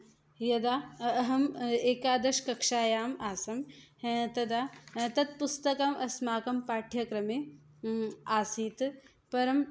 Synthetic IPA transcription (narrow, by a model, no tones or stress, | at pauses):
jɐd̪aːɐɦɐmeːkaːd̪ɐʃkɐkʂaːjaːmaːsɐmɦt̪ɐd̪aːt̪ɐt̪̚pust̪ɐkɐmɐsmaːkɐmpaːʈʰjɐkɾɐme | aːsiːt̪ | pɐɾɐm